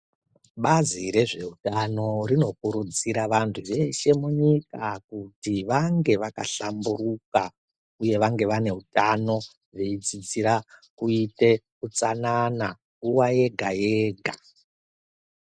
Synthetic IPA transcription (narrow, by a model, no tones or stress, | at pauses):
ɓaziɾe̞ʐe̞ɦutano̞ɾino̞kuɾud͡ziɾaʋantʰuje̞ʃe̞muɲikakutiʋaŋɡe̞ʋaka̰ɬamburuka | uje̞ʋaŋɡe̞ʋane̞ɦutano̞ | ʐeid͡zid͡ziɾakuite̞kut͡sanana | ŋɡuwaje̞ɡʱajeɡʱa